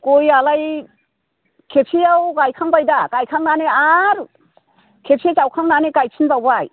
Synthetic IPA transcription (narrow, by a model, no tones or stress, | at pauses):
kojalaj | kʰepʰiawɡajkʰaŋbajdaɡ̥ajkʰaŋnaneaɾ | kʰepʰiat͡ʃawkʰaŋnaneɡajpʰinbawbaj